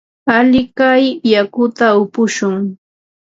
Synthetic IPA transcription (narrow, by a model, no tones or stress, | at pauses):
aʎɪkajjakʊt̪aʊpʊʃʊŋ